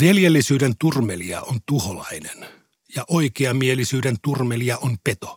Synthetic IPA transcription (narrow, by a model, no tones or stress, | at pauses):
ʋeljelːisyːdent̪urmeliɑ̰ʔont̪uholɑ̰inen | jɑʔoikeɑmielisyːdent̪urmeliɑʔonpet̪o